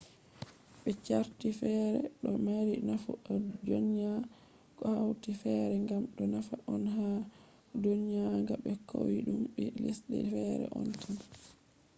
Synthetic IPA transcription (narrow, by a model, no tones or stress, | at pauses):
ɓɛt͡ʃaɾtifɛːɾɛ̰ɗɔmaɾinafuɔd͡ʒonja | kɔhawtifɛɾɛŋɡamɗɔnafaʔɔnɦa | donjaŋɡaɓɛkʰowiɗumɓɛlisɗɛ̰fɛɾɛ̰ʔɔntʰan